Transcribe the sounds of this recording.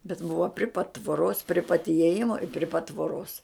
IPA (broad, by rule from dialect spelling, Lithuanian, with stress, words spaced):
bʲɛt ˈbʊʋɐ pʲrʲɪ pɐt tʋoːˈroːs pʲrʲɪ pɐt iɛˈjɪmoː ɪ pʲrʲɪ pɐt tʋoːˈroːs